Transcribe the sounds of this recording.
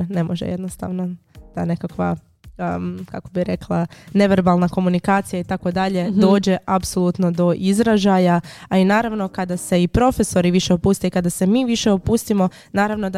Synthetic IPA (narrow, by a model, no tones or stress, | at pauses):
ne̞moʒḛjed̪nost̪a̰ʋno | d̪̥ane̞kakʋa̰ | kako̞biɾe̞klˠane̞ʋeɾbalˠnako̞munikaːt̪sijait̪ako̞d̪aʎe̞d̪o̞ːd͡ʑe̞ʔapso̞lˠut̪no̞d̪o̞ʔizɾaʒajaainaːɾaʋno̞kad̪ase̞ipɾo̞fe̞so̞ɾiʋiʃe̞opuːst̪ejikad̪ase̞miːʋiʃe̞opuːst̪imo̞ | naːɾaʋno̞d̪a